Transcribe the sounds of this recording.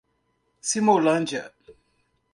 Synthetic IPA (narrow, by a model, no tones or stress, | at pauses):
simoland͡ʒə̰